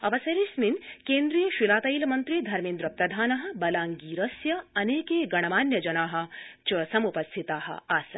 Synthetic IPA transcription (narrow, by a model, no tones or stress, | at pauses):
ɐʋɐsɐɾisminkeːnd̪ɾijɐʃilaːt̪ɐjlmɐnt̪ɾid̪ʱɐɾmiːnd̪ɾɐpɾɐd̪ʱaːnɐɦɐ̆bɐlaːŋɡiːɾɐsjɐɐneːkeːɡɐɳ̃ɐmaːnjɐd͡ʒɐnaːɦɐ̆t͡ʃɐsɐmupɐst̪ʰit̪aːɦɐ̰̆aːsɐ̰